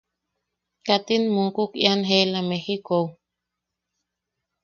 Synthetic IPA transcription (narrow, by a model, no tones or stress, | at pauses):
kat̪inmukukjanɦelamehikow